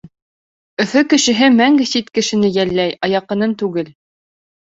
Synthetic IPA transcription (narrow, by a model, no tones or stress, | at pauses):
ɵ̆fɵkɘ̆ʃɘ̆ɦɘmæŋɡɘ̆sit̪kɘ̆ʃɘ̆nɘjælːæjɑjɑqɤ̆nɤnt̪ʉɡɘl